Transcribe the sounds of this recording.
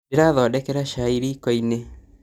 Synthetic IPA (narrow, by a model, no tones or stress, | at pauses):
eɾaðɔdɛkɛɾaʃaiɾikɔine